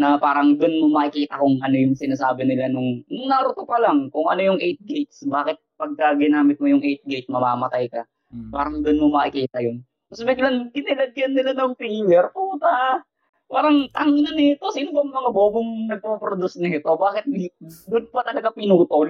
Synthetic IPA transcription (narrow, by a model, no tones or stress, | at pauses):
nɐpaːɾɐŋd̪ʊnmomɐʔɪkiːt̪ɐkʊŋʔɐnojʊŋsɪnaːsaːbɪnɪlanʊŋŋnɐɾʊt̪opɐlaŋkʊŋʔɐ̰no̞jʊŋʔɛjt̪̚ɡejt̪̚sbaːkɪt̪̚pɐɡ̚kɐɡɪnaːmɪt̪̚mojʊŋʔɛjt̪̚ɡejt̪̚mɐma̰ːmɐt̪ajkɐ | paːɾɐŋd̪ʊnmomɐʔɪkiːt̪ɐjʊn | ɐsbɪɡlaŋɡɪnɪlɐd̪jɐnːɪlanɐŋpijwɛɾpuːt̪a | paːɾɐŋt̪ɐŋɪnanɪt̪o̞sinobɐŋmɐŋaboːboŋnɐɡ̚popɾod̪usnɐɪt̪obaːkɪt̪̚d̪ʊn̚pɐt̪ɐlɐɡapɪnuːt̪ol